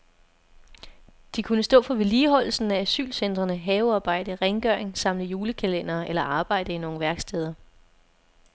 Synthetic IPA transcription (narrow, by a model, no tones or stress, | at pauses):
d̥ikʰunəsd̥ɔ̰̽ːfɒ̽ʋe̝liːɦɒ̽l̰l̩sn̩ææsy̰ːlsen̰d̥ʁɐnəɦɛːʊɑ̈ːb̥ɑ̈ɪ̰d̥əʁeŋɡ̥œɐ̰eŋsɑ̈m̰ləjuːləkʰælen̰ɐːʔelɐʔɑ̈ːb̥ɑ̈ɪ̰d̥əino̝ːŋ̩ʋæɐɡ̥sd̥eð̞ˠɐ